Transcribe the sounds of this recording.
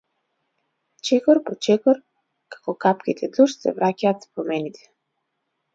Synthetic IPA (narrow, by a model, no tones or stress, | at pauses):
t͡ʃɛkɔɾpɔt͡ʃɛkɔɾ | kḁkɔkapkʲit̪ʰɛd̪luʃsɛ̰vɾacaːt̪spɾɔmɛnit̪ʰɛ̥